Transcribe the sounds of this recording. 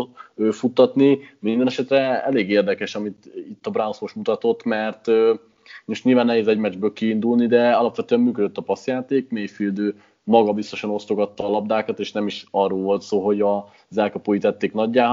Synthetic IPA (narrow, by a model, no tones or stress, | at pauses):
øːfut̪ːɒt̪nimind̪ɛnɛʃɛt̪rɛɛleːɡeːrd̪ɛkɛʃɒmit̪it̪ːɒbrawsoʃmut̪ɒt̪o̞t̪ːmɛrt̪ø | uʃɲilvaːnːɛɦeːzɛɟmɛd͡ʒbøːlkiːnd̪ulnid̪ɛɒlɒpvʋɛt̪øːɛmmyːkød̪øt̪ːɒpɒsjaːt̪eːkmeːjfild̪øː | mɒɡɒbist̪o̞ʃɒno̞st̪o̞ɡɒt̪ːɒːlɒb̚d̪aːkɒt̪eːʃnɛmiʃɒrːoːlvo̞lt̪soːlɦo̞ɟɒ | zɛlkɒpoːjit̪ɛt̪ːeːknɒɟːaː